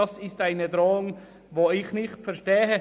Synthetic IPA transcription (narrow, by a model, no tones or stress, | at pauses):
ɑsɪstaɪnədʁoːʊŋ | voːɪçnɪxtfɛɐʃtɛːɦə